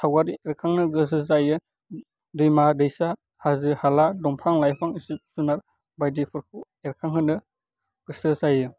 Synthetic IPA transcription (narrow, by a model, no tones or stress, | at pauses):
tʰawaɾieɾkʰaŋnɯɡɯsɯzajɯ | dɯjmadɯjsa | hazɯhaladɔmpʰaŋlajpʰaŋisip̚sunaɾ | bajdipʰɯɾkʰu | eɾkʰaŋɦɯnɯ | ɡ̥ɯsɯsajɯ